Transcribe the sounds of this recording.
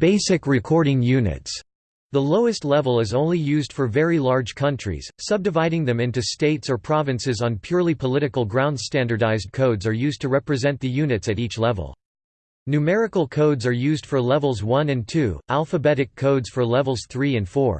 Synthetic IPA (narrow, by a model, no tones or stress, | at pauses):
b̥eɪsɨkɹɨkʰɔɹɾɪ̃ŋjʉnɨ̰ts | ðəloʊɨstˡlɛvl̩ˠɨzõʊ̃nlijʉzd̥fə˞vɛɹilɑɹd̥ʒ̥kʰʌ̃nt͡ʃɹ̥ḭz̥sʌb̚dɨvaɪɾɪ̃ŋðɨ̃mɪ̃ntʉsteɪtsə˞pʰɹ̥ɑvɨ̃nsɨzn̩pʰj̥ʊɹlˠipʰəlɪɾɨkl̩ˠɡɹãʊ̃nd̥stæ̃ndə˞daɪzd̚kʰoʊdzə˞jʉztʰɨɹɛpɹɨzɛ̃nðɨjʉnɨtsɨɾit͡ʃlɛvə̰l̩ˠ | nʉmɛɹɨkl̩ˠkʰoʊdzə˞jʉzd̥fə˞lɛvl̩ˠzwʌ̃nɨ̃ntʰʉʔælˠfəbɛɾɨkʰːoʊdz̥fə˞lɛvl̩ˠz̥θɹiɨ̃nfɔ̰ɹ